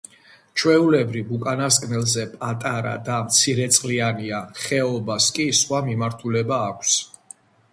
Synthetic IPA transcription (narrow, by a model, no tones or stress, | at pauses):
t͡ʃʰwɛulɛbɾivukʼanaskʼnɛlˠzɛpʼat̪ʼaɾa̰d̪amt̪sʰiɾɛt̪sʼqʼlianiaχɛɔbaskʼisχwamimaɾt̪ʰulɛbaːkʷʰs